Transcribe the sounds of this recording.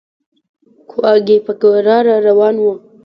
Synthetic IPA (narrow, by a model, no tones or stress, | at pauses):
kʰoaɡepəkɾɑɾaɾawɑːnwə